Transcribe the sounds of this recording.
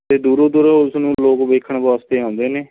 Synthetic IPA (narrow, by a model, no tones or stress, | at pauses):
t̪eːd̪uːɾõːd̪uɾoʊsnũːloːkʋeːkʰːəɳbɔːst̪eːãːnd̪eːneː